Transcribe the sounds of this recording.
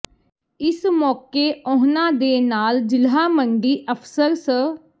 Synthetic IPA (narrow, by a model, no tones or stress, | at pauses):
ɪsmɔːkeːõːɦnãːd̪eːnaːld͡ʒɪlɦaːməɳɖiːʔəpʰsəɾsə